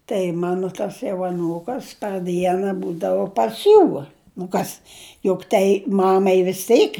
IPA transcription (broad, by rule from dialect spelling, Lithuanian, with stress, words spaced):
tɐɪ ˈmɑːnʊ ˈtɐs jɛʊ ɐˈnuːkɐs pɐr ˈdʲiɛnɐ ˈbuːdɐʋʊ pɐs ˈjuː nʊ ˈkɐs jʊk ˈtɐɪ ˈmɑːmɐɪ ʋʲɪs ˈtʲɛɪk